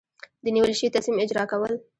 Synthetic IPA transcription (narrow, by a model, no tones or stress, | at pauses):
d̪əniwəlʃəwit̪asimɪd͡ʒɾɑkawəl